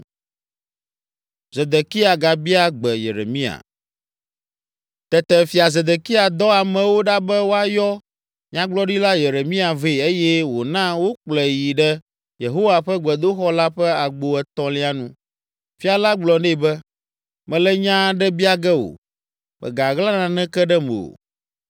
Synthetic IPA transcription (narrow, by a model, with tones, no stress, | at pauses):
ze˨d̪e˨ki˦a˨ɡa˨bi˦a˦ɡ͡bɛ˨jḛ˨ɾḛ˨mĩ˦a̰˨ | t̪ɛ˨t̪ɛ˨fi˨a˨ze˨d̪e˨ki˦a˨d̪ɔ˦a˨mɛ̃˨wo˦ɖa˦bɛ˦wo˦a˦jɔ˦ | ɲã˦ɡ͡blɔ˦ɖi˦la˦je˨ɾe˨mĩ˦a˨ve˦˨e˦jɛ˦wo˨nã˦wo˦k͡plɛ˨ji˨ɖɛ˦ | je˨ɦo˦wa˨ɸɛ˦ɡ͡bɛ˨d̪o˦xɔ˦la˦ɸɛ˦a˨ɡ͡bo˨ɛ˨t̪ɔ̃˦li˦a˦nũ˦ | fi˦a˨la˦ɡ͡blɔ˨nɛ˦˨bɛ˦ | mɛ̃˨lɛ˦ɲã˦ɖɛ˦bi˦a˨ɡɛ˦o̰˨ | mɛ̰˨ɡa˨ɣla˦nã˨nɛ̃˦kɛ˦ɖɛ˦mḛ˨o̰˨